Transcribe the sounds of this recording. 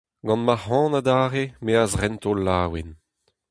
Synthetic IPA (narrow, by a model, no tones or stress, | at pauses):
ɡɑ̃nmaʁɑ̃ːnad̪aːʁemeazʁɛnt̪olːaːwen